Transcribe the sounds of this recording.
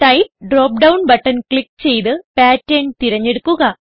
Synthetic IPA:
ʈɐjpɖroːp̚ɖɐwnbɐʈːɐnkɭik̚t͡ɕe̞jt̪ɨpaːtːeːɳɖt̪iɾɐɲːeɽukːuɣɐ

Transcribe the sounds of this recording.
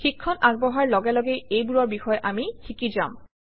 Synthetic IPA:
xikʰːɔnʔaɡ̚bɔɦaɹlɔɡɛlɔɡejejbuɹɔɹbixɔjʔamixikiza̰m

